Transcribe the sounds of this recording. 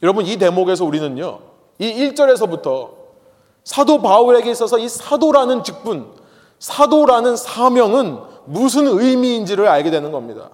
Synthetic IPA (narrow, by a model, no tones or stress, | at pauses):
jʌɾʌbʌnit̬e̞moɡe̞s̬ʰʌuɾinɯɲɲo̰ | iiɭt͡ɕ͈ʌɾe̞s̬ʰʌbutʰʌ | sʰadobauɾe̞ɡe̞is͈ʌsʰʌisʰadoɾanɯnt͡ɕik̚p͈un | sʰadoɾanɯnsʰamjʌŋɯnmus̬ʰɯnɯimiːnd͡ʑiɾɯɾaɭɡe̞dwe̞nɯnɡʌmɲida̰